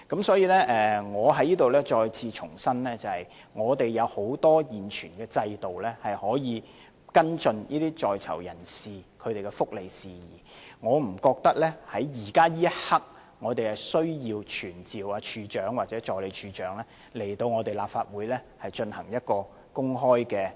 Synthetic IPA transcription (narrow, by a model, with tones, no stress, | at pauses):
kɐ˨˥msɔː˨˥jiː˨˧lɛ˥ʔɛː˨ŋɔː˨˧ɦɐ˨˥jiː˥t̪o˨wlɛː˥t͡ʃɔː˧jt͡sʰiː˧t͡ʃʰʊ˨˩ŋsɐ˥nlɛː˥t͡sɐ˨hɐ˨j | ŋɔː˨˧t̪e˨jjɐ˨˧who˨˥wt̪ɔː˥jiː˨˩nt͡ʃʰyː˨˩nkɛː˧t͡sɐ˧jt̪o˨wlɛː˥hɐ˨jhɔː˨˥jiː˨˧ | kɐ˥nt͡sɵ˧njiː˥t̪iː˥t͡sɔː˨jt͡sʰɐ̰˨˩wjɐ̰˨˩nsiː˨kʰɵ˨˧ɥt̪e˨jkɛ˧fʊ˥k̚le˨jsiː˨jiː˨˩ŋɔː˨˧m̩˨˩kɔː˧k̚t̪ɐ˥k̚lɛː˥hɐ˨˥jːiː˨˩kaː˥jiː˥jɐ˥t̚hɐ˥k̚ | ŋɔː˨˧t̪e˨jhɐ˨jsɵ˥ɥjiː˧wt͡ʃʰyː˨˩nt͡siː˨waː˧t͡ʃʰyː˨˧t͡ʃœː˨˥ŋwaː˨t͡sɛ˨˥t͡ʃɔː˨˧jle˨˧jt͡ʃʰyː˨˧t͡ʃœː˨˥ŋlɛː˥ | le˨˩jt̪o˧wŋɔ˨˧t̪e˨jlaː˨p̚faː˧t̚wuː˨˥jlɛː˥ | hɐ˨jt͡ʃɵ˧nhɐ˨˩ŋjɐ˥t̚kɔː˧ | kʊ˥ŋɦɔː˥jkɛː˧